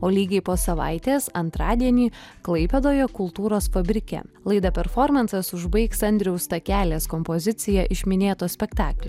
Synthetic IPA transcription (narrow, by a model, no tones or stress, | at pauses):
oːlʲiːɡʲɛɪpoːsɐʋɑ̰ɪt̪ʲeːsɐnt̪ɾɑːd̪ʲiɛnʲiːklˠɐɪpʲed̪oːjɛkʊlˠt̪uːɾoːsfɐbʲɾʲɪkʲɛ̰lˠɐɪd̪ɐpʲɛɾfɔɾmɐnsɐsʊʒbɐɪksɐnʲd̪ʲɾʲɪɛʊst̪ɐkʲæːlʲeːskɔmpɔzʲɪt̪sʲɪjɛʔɪʃʲmʲɪnʲeːt̪oːsʲpʲɛkt̪ɑːklʲo